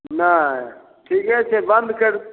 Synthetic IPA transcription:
na | ʈʰiːkɦɛt͡ʃʰebənd̪kəɾ

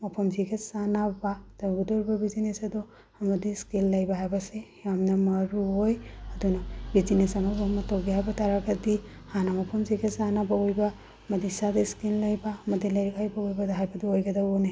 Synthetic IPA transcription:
mɐpʰɐmziɡesanabadɐɡudoɾibɐbizinesɐdɔ | ɐmɐdiskilːɐjbaɦajbɐsejamnɐmɐɾuojɐdunɐbizinesɐmadɔɦɐmɐtowɡiɦajbɐtaɾakɐdi | hanamɐpʰɐmziɡesanabaojba | mɐdisadiskillɐjbamɐdilɐɾikajbaojbadɐɦajbɐdiojɡɐdaona

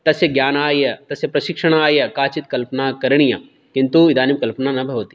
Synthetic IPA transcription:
t̪ɐsjeɡjaːnaːjɐt̪ɐsjepɾɐʃɪkʂəɽ̃aːjɐkaːt͡ʃit̪̚kɐlpənakɐɾɽ̃ijã̰ː | kɪ̃nt̪uɪd̪aːnimkɐlpnanɐbʱiɦoːt̪i̥

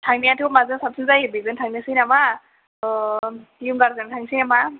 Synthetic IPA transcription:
tʰaŋnijatʰɯmazɯnsap̚sɯnzajbizɯntʰaŋnasɯnama | jumɡaɾzɯntʰaŋsinama

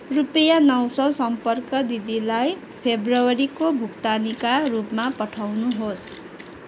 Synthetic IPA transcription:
rupʌjanʌwsʌsʌmpʌrkʌd̪id̪ilaj | pʰebrʌwʌɾikobʱukt̪anikarupmapʌʈʰawnuɦos

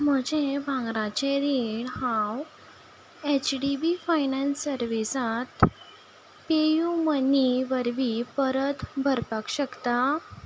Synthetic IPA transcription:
m̤əd͡ʑẽbʱãŋɡɾãt͡ɕẽɾiɳhãw | et͡ɕɖibifajnənsəɾʋisat̪ | pejuməniʋəɾʋipəɾət̪bʱəɾpakɕəkt̪a

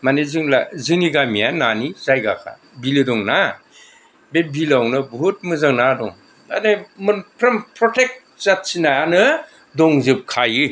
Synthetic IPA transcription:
manezɯŋla̰zɯniɡamijananizajɡakʰa̰ | bilɯdɔŋna | bebilawnɯbut̚mɯzaŋnadɔŋ | anɯmɯpʰɾɐmpʰɾɔtek̚t̚ | zat̚sinaanɯ | dɔŋzɯp̚kʰajɯ

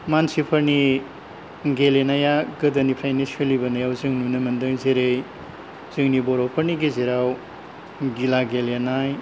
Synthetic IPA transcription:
mansipʰɐɾni | ɡelenajaɡɯdɐnipʰɾajneselibɐnajawzɯŋnunɯmɐndɯŋzeɾej | z̥ɯŋnibɔɾowpʰɐɾniɡezeɾaw | ɡilaɡelenaj

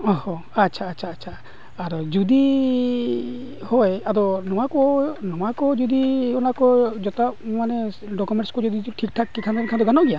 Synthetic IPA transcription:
ɔhɔ̃ | atːt͡ʃʰaːtːt͡ʃʰaːtːt͡ʃʰaː | ɾɔd͡ʒɔd̪i | hɔjaɾɔnɔw̃akɔnɔwakɔd͡ʒɔd̪iɔnakɔd͡ʒɔt̪amane | ɖɔkumeɳʈskɔd͡ʒɔd̪iʈʰik̚ʈʰakːikʰand̪ankʰant̪ɔɡanawɡija

